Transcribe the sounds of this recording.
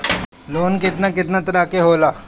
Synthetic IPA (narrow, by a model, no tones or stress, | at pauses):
loːnkɪt̪nakɪt̪nat̪ɐɾaːkeɦoːlaː